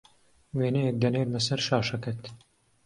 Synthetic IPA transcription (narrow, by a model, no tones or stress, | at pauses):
weːnejɛk̚d̪ɐneːɾmɐsɐɾʃɑːʃɐkɐt̪